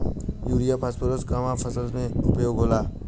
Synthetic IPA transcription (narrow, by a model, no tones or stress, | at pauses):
juːɾijapʰaspəɾəskamãpʰəsəlmẽʊpjoːɡɦoːlaː